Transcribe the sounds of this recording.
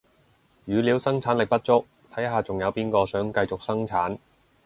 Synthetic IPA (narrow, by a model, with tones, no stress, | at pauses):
jyː˨˧liː˨˧wsɐ˥ŋt͡sʰaː˨˥nlɪ˨k̚pɐ˥t̚t͡ʃʊ˥k̚ | t̪ʰɐ˨˥jɦaː˨t͡sʊ˨˩ŋjɐ˨˧wpiː˥nkɔː˧sœː˨˥ŋkɐ˧jt͡sʊ˨k̚sɐ˥ŋt͡sʰaː˨˥n